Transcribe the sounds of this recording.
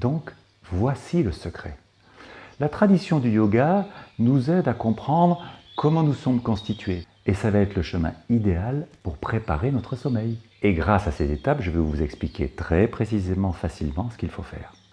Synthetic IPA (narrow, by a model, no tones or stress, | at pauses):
d̪ɔ̃k | vwasiləsəkχɛ̰ | lat̪χad̪isjɔ̃d̪yjɔɡanuzɛd̪akɔ̃pχɑ̃d̪ʁkʰɔmɑ̃nusɔmkɔ̃st̪it̪ɥe | esavaɛt̪χləʃəmɛ̰̃id̪ealpuʁpχepa̰ʁenɔt̪χəsɔmɛj | eɡʁasasɛzet̪apʒəvɛvuzɛksplikʲʰḛt̪χɛpχesizemɑ̃fasilmɑ̃sə̥kʲilfofɛ̰ːʁ